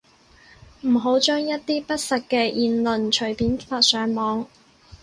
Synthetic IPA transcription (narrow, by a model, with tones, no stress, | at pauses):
m̩˨˩ɦo˨˥wt͡ʃœː˥ŋjɐ˥t̚t̪iː˥pɐ˥t̚sɐ˨kkːɛː˧ʔiː˨nlɵ˨nt͡ʃʰɵ˨˩ɥpiː˨˥nfaː˧t̚sœː˨˥ŋmɔː˨˧ŋ